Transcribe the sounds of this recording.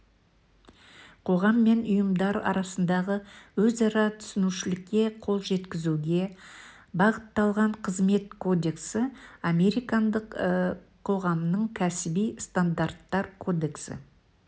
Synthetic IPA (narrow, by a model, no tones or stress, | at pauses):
qʰo̞ʁɑmːe̞nʊjəmd̪ɑɾɑ̰ɾɑsənd̪ɑʁəwɵzɑɾɑt̪ʰʏ̥sɪnuʃɪlɪkʲːe̞qʰo̞lˠʒe̞t̪kʲɪzuɡʲe̞ | bɑʁət̪ːɑlˠʁɑɴqʰəzme̞t̪̚kʰo̞d̪e̞ksɪame̞ɾijkɑnd̪əqʰː | o̞ʁɑmnəɴkʲʰæsɪbijst̪and̪art̪ːɑɾkʰo̞d̪e̞ksɪ̰